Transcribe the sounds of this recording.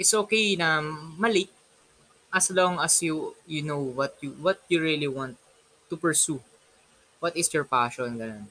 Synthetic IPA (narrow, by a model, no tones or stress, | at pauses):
ʔɪt̪sʔokejnɐmɐlik̚ | ʔɐsloŋɐsjujunowwɐt̪̚juwɐt̪̚juɹiliwãnt̪ː | upɛɹsu | wɐt̪ɪsjɔɹpaʃɔ̃nɡɐnõn